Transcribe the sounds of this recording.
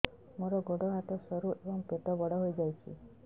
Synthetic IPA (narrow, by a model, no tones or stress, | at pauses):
moɾɔɡɔɽɔɦat̪ɔsɔɾuʔebɔŋpet̪ɔbɔɽɔɦojd͡ʒajt͡ʃʰḭ